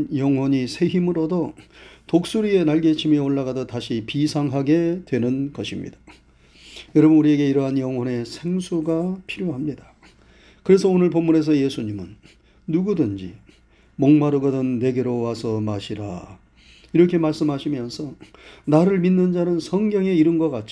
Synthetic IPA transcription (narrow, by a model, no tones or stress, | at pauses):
jʌŋɦwʌɲisʰe̞ɦimɯɾodotok̚s͈uɾie̞naɭɡe̞t͡ɕʰimioɭːaɣadotaɕʰipisʰaŋɦaɡe̞dwe̞nɯnɡʌɕʰimɲḭd̥ḁ | jʌɾʌbʌnuɾie̞ɡe̞iɾʌɦanjʌŋɦwʌne̞sʰe̞ŋsʰuɡapʰiɾjoɦamɲida | kɯɾe̞s̬ʰʌonɯɭpomːune̞s̬ʰʌje̞sʰuɲimɯnː | uɡudɯnd͡ʑḭ | moŋmaɾɯɡʌdɯnːe̞ɡe̞ɾowasʰʌmaɕʰiɾa̰ | iɾʌkʰe̞maɭs͈ɯmɦaɕʰimjʌnsʰʌnaɾɯɭminːɯnd͡ʑanɯnsʰʌŋɡjʌŋe̞iɾɯnɡʌk͈at̚t͡ɕ͈